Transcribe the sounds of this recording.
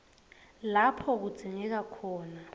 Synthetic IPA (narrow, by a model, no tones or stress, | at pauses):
lapʰɔk̬ud̥z̥ʱiŋɛk̬akʰɔːna